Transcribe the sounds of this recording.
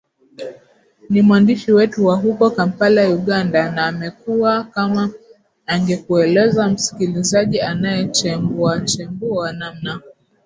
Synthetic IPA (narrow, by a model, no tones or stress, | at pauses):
nimwandiʃiwɛtuwaɦukɔkampalauɠandanaːmɛkuwakamaː | ŋɡɛkuɛlɛzam̩si̥kilizaʄianajɛt͡ʃɛmbuat͡ʃɛmbuanamna